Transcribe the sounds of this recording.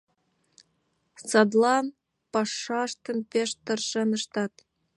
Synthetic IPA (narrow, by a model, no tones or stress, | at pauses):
sɑd̪lɑn | pɑʃːɑʃt̪ə̆npeʃt̪ɤ̆rʃenə̆ʃt̪ɑt̪